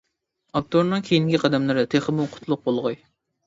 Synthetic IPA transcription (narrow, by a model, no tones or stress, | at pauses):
ɑk̚t̪oɾnɨŋkʲʰejiŋɡʲiqʰɑd̪ɛmlˠɨɾɪt̪ʰeχɨmuqʰʊ̥t̪lˠʊq̚bolˠʁɑj